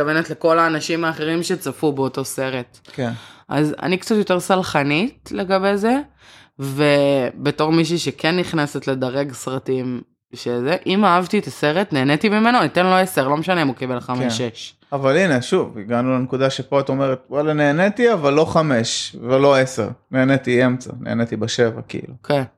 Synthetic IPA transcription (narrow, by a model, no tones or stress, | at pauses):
avenetle̞ko̞laːnaʃimaːχe̞ʁimʃe̞t͡safubeoto̞se̞ʁe̞tkenʔa̰za̰nikt͡satjo̞teʁsalχanitleɡabe̞ze̞ | vebe̞to̞ʁmiʃ̬iʃekʰenːiχnase̞tle̞d̪aʁe̞ɡsʁatim | ʃezeʔimaavt̪iet̪aseʁetneːnetimimenonit̪enlo̞eseʁlo̞meʃaneimukebelχameʃeʃ | avalineʃuviɡanulenkud̪aʃepoat̪o̞meʁet̪̚walaneːnet̪iavalːo̞χameʃvelo̞esḛʁneːnet̪iemt͡sa̰nʔḛːnet̪ibeʃe̞va̰kḭḭlukʰen